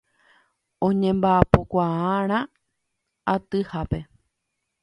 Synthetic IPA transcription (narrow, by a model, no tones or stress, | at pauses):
õɲẽ̞mbaapokʷaãɾ̃ã | at̪ɨhape̞